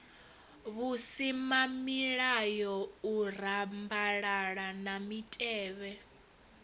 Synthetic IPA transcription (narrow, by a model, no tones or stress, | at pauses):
βusimamiɺajɔur̤ambaɺaɺanamitʼɛːβɛ